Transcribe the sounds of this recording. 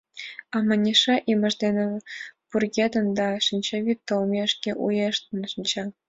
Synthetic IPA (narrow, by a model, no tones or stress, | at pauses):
ɑmɑnʲiʂɑʔimʲɘ̆ʐd̪ʲenʲĕb̥urɡʲed̪ɤ̆nd̪ɑʂinʲt͡ɕeʋʲit̪ːŏlmʲeʂkʲeʔujeʂt̪ɤ̆nʃinʲt͡ɕe